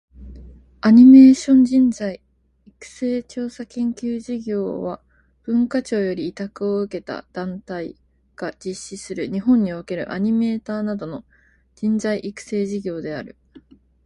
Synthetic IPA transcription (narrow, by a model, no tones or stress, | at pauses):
aɲ̟ime̞ːɕõ̞ɲ̟d͡ʑĩnzaiː | kɯ̟̥se̞ːt͡ɕo̞ːsakẽ̞ŋkʲɨːʑiɡʲo̞̰ːβa | b̥ɯ̟̃ŋkat͡ɕo̞ːjo̞ɾʲiːt̪akɯ̟o̞ɯ̟ke̞t̪a̰d̪̥ãnt̪ai | ɡ̥ad͡ʑiɕːisɨɾɯ̟ɲ̟iɦõ̞ɲ̟ːioke̞ɾɯ̟̰ʔaɲ̟ime̞ːt̪aːnad̪o̞no̞ | d͡ʑĩnzaiʔikɯ̟̥se̞ːʑiɡʲo̞ːd̪e̞aɾɯ̟̰